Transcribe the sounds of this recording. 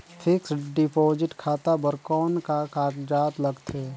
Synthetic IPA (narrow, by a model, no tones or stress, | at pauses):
fʰɪksɖɪpoːd͡ʒɪʈkʰaːt̪abəɾkɔːnkakaːkd͡ʒaːt̪ləɡt̪ʰeː